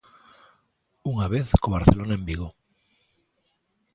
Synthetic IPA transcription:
uŋaβeθkoβaɾθelonaẽmbiɣo

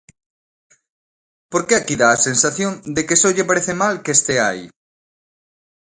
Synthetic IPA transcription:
poɾkeakiðaːsensaθjond̪ekesoʎepaɾeθemalkest̪eai

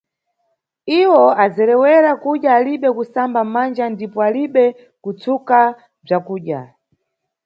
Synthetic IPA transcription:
iwɔad͡zɛɾɛwɛɾakuɗjaːliɓɛkusambamand͡ʒandipɔaliɓɛ | kut͡suka | b͡ʐakuːɗja̰

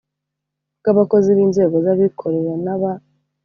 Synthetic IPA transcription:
kaβako̞ziβiːnze̞ːɡo̞zaβikʰo̞ɾeɾanaβa

